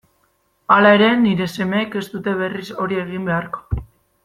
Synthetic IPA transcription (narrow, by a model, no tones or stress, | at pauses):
alae̞ɾe̞niɾe̞se̞me̞ːke̞st̪ut̪e̞β̞e̞riso̞ɾie̞ɣimbe̞aɾko̥